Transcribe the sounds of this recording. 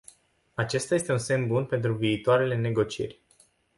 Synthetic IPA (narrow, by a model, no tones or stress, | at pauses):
at͡ʃe̞st̪ajest̪e̞unse̞mbunpe̞nt̪ɾuviːt̪oaɾe̞lene̞ɡo̞t͡ʃie̞̰rʲ